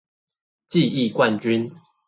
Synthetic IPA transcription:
t͡ɕi˥˨i˥˨kwa˥˨nt͡ɕy˦n

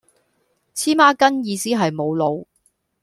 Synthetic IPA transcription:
t͡sʰiː˥maː˥kɐ˥njiː˨˧siː˥ɦɐ˨jmo˨˧wlo˨˧w

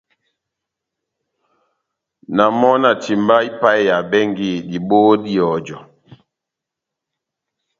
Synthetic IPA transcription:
na˨mɔ˦na˨ti˨mba˦i˦pa˦jja˨bɛ˦ŋɡi˦˨di˨ɓo˦di˦ɔ˨d͡ʒɔ˨

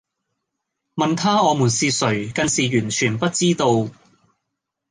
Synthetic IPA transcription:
mɐ˨nt̪ʰaː˥ŋɔː˨˧muː˨˩nsiː˧tsɵ˨˩ɥkɐ˧nsiː˨˩jyː˨˩nt͡ʃʰyː˨˩npɐ˥t̚t͡siː˥t̪o˧w

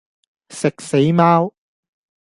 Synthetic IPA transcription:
sɪ˨k̚se˨˥jmaː˥w

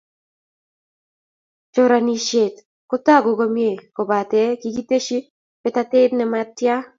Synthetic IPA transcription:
t͡ʃo˦ɾa˨ni˨ʃe˨t | ko˦ta˦˨ɡo˨ɡo˦mje˨ko˨ba˨tɛ˦ki˦ki˦te˦ʃi˦ | pɛ˦ta˦te˦dnɛ˨ma˨tja˦

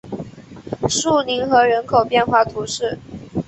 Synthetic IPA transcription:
ʂu˥˩ni˧˥nxɤ˧˥ɻə˧˥nkʰo˨˩ʊpjɛ˥˧nxwa˥˩t̪ʰu˧˥ʂɻ̩˥˩

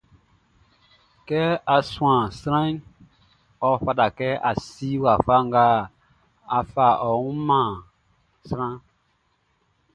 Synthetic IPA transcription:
kɛ˦a˨sũ˨ã˨sɾã˦ | ɔ˨ɸa˦da˨kɛ˦ʔa˨si˦wa˨fa˦ŋ˦ɡa˦ | a˨fa˨ʔɔ˨ũ˦mã˨ | sɾã˦

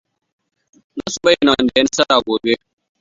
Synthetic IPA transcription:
na˦su˨bɐ˦jɪ˨na˨wɐ˦nda˨jɐ˦n˦sɐ˦ɽaː˨ɡʷoː˨be˦

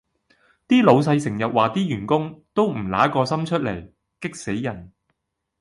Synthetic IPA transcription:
t̪iː˥lo˨˧wsɐ˧jsɪ˨˩ŋjɐ˨t̚waː˨˩t̪iː˥jyː˨˩nkʊ˥ŋt̪o˥wm̩˨˩la̰ː˨˥kɔː˧sɐ˥mt͡ʃʰɵ˥t̚le˨˩j | kɪ˥k̚se˨˥jːɐ˨˩n

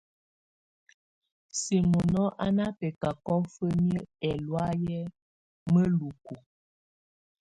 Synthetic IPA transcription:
si˨mo˨nɔ˦ʔa˦na˦pɛ˨ka˨kɔ˦fə˦mjə˦ɛ˨lwa˦jɛ˦ | mə˦lu˨ku˨

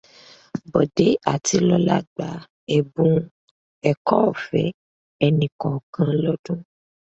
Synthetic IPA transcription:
bɔ˨de˨˦a̰˦˨ti˧lɔ˦la̰˦ɡ͡ba˨˦ | ɛ˨bũ˨˦ | ɛ˨kɔ˦˨fɛ˨˦ | ɛ˧nĩ˨kɔ̃˨kã˨˧lɔ˦dũ˦

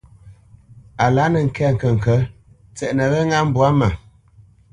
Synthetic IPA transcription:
a˨la˨˦nə˨ŋ̩˨kɛ˦˨ŋ̩˨kə˨ŋ̩˨kə˨˦ | t͡sɛ˨ʔnə˨ɣə˦ŋa˦m̩˦bwa˦mə˨

